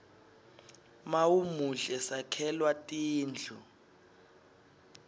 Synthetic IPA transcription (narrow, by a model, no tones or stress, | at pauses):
mawumuɮɛsakʰɛlwatʼiːnd͡ɮʱu